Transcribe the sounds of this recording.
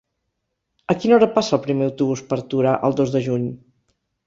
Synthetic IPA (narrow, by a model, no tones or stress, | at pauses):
əkinɔɾəpasəːlˠpɾimeəwt̪uβuspəɾt̪uɾaʔə̰lˠd̪ozðəʒuɲ